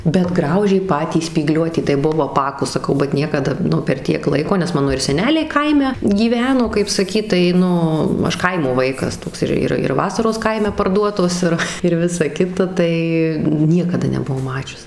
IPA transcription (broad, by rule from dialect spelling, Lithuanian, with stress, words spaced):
bʲɛt ˈɡrɐʊʒʲeː ˈpɑːtʲiː sʲpʲiːˈɡlʲuɔtʲiː tɐɪ ˈbʊʋɐʊ ɐˈpɑːkʊs sɐˈkɐʊ bɐt ˈnʲiɛkɐdɐ ˈnʊ pʲɛr ˈtʲiɛk ˈlˠɐɪkoː nʲɛs ˈmɑːnoː ɪr sʲɛˈnʲæːlʲɛɪ ˈkɐɪmʲɛ ɡʲiːˈʋʲæːnoː kɐɪp sɐˈkʲiːt tɐɪ ˈnʊ ˈɐʃ ˈkɐɪmoː ˈʋɐɪkɐs ˈtoːks ˈɪr ˈɪr ɪr ˈʋɑːsɐroːs ˈkɐɪmʲɛ pɐrˈduɔtoːs ˈɪr ɪr ˈʋʲɪsɐ ˈkʲɪtɐ ˈtɐɪ ˈnʲiɛkɐdɐ nʲɛbʊˈʋɐʊ ˈmɑːt͡ʃʲʊs